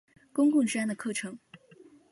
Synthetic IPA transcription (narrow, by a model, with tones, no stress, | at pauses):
kʊ˥ŋkʊ˥˩ŋʂɻ̩˥a˥nd̪ə˩kʰɤ˥˩ʈ͡ʂʰɤ˧˥ŋ